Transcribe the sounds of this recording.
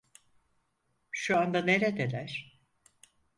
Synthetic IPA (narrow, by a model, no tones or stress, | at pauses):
ʃuand̪ane̞ɾɛd̪elʲæɾ̥